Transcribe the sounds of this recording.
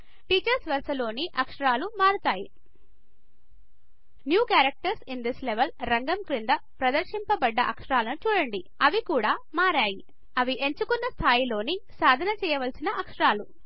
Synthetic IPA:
ʈiːt͡ʃɐɾsʋɐɾsɐlo̞ːniʔɐkʂɐɾaːlumaːɾut̪aːjḭ | njuːkaːɾɐk̚ʈɐɾsind̪isleʋɐlɾɐŋɡɐmkɾind̪ɐ | pɾɐd̪ɐɾʂimpɐbɐɖːɐʔɐkʂɐɾaːlɐnut͡ʃuːɽɐɳɖi | ɐʋikuːɽaːmaːɾaːji | ɐʋiʔe̞ɲt͡ʃukunːɐst̪ʰaːjilo̞ːnisaːd̪ʱɐnɐt͡ʃɛːjɐʋɐlsinɐʔɐkʂɐɾaːlu

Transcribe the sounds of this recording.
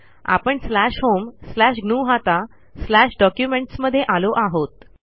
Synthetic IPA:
a̰pəɳslæɕɦomslæɕɡɳuːɦat̪a | slæɕɖɔkjumeɳʈsməd̪ʱːjeʔaloʔaɦot̪

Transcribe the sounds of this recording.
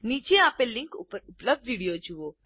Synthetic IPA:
nit͡ʃeaːpelːiŋkupəɾupləb̚d̪ʋiɽijod͡ʒuʋo

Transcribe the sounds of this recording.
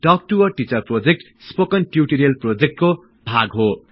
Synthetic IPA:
ʈʌk̚ʈuwʌrʈit͡sʌrprod͡zek̚ʈ | spokʌnʈjuʈiɾiʌlprod͡zek̚ʈko | bʱaɡɦo

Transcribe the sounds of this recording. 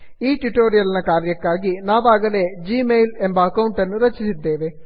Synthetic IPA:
iːʈuʈːoːɾijɐlinɐkaːɾjɐkːaːɣinaːʋaːɣɐled͡ʑiːmejlembɐɐkɐwɳʈɐnːɨɾɐt͡ɕːit̪id̪eːʋe

